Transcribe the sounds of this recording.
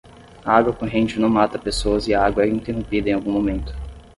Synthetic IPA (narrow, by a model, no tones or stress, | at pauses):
aaɡwɐkõɦẽnd͡ʒʊnɐ̃w̃mat̪ɐpesoɐzɪaɡwɐɛĩnt̪eɦõmpid̪ɐẽawɡũmomẽnt̪ʊ̥